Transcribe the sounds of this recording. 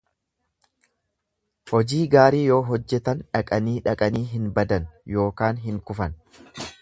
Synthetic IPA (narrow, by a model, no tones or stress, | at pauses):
hɔd͡ʒiːɡaːɾiːjo̞ːɦɔd͡ʒːɛt̪ɐnᶑɐkʼɐniːᶑɐkʼɐniːɦɪnbɐd̪ɐnjo̞ːkaːnɦɪŋkʊfɐn